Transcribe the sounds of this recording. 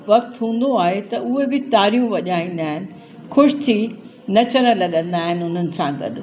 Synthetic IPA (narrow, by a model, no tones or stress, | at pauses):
ʋɐk̚t̪ɦũːn̆d̪oaːɦet̪ɐʔʊɦebɪt̪aːɾijũʋɐʄaːĩːn̆d̪aːɦɪnɪ̆ | xʊʃt̪ʰi | nɐt͡ɕɐɾ̃ə̆lɐɠə̃nd̪aːɦɪnɪ̆ʊn̤ənɪ̆sãɡɐ̰ɗ